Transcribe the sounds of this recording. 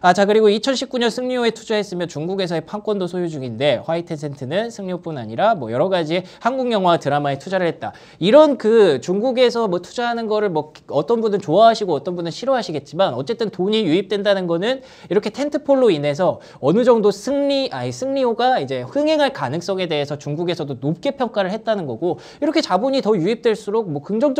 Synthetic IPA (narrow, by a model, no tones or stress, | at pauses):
at͡ɕakɯɾiɡoit͡ɕʰʌnɕʰip̚k͈uɲʌnsʰɯŋɲioe̞tʰud͡ʑaɦe̞s͈ɯmjʌnt͡ɕuŋɡuɡe̞s̬ʰʌepʰaŋk͈wʌndosʰojod͡ʑuŋinde̞ɸwaitʰesʰe̞ntʰɯnɯnsʰɯŋɲiop͈una̰ɲiɾamwʌjʌɾʌɡad͡ʑiehanɡuŋjʌŋɦwatɯɾamaetʰud͡ʑaɾɯɭhɦe̞t̚t͈a̰ | iɾʌnkɯt͡ɕuŋɡuɡe̞sʰʌmwʌtʰud͡ʑaɦanɯnɡʌɾɯɭmwʌkʌt͈ʌnbunɯnt͡ɕoaɦaɕʰiɡoʌt͈ʌnbundɯnɕʰiɾoɦaɕʰiɡe̞t̚t͡ɕ͈imanʌ̰t͡ɕ͈e̞t͈ɯntoɲijuip̚t͈we̞ndanɯnɡʌnɯn | iɾʌkʰe̞tʰe̞ntʰɯpʰoɭːoine̞s̬ʰʌ | ʌnɯd͡ʑʌŋdosʰɯŋɲiʔaisʰɯŋɲioɡaid͡ʑe̞ɸɯŋɦe̞ŋɦaɭkanɯŋs͈ʌŋe̞de̞ɦesʰʌt͡ɕuŋɡuɡe̞sʰʌdonop̚k͈e̞pʰjʌŋk͈aɾɯɭhe̞t̚t͈anɯnɡʌɡo | iɾʌkʰe̞t͡ɕabuɲitʌjuip̚t͈we̞ɭs͈uɾok̚mwʌkɯŋd͡ʑʌŋd͡ʑ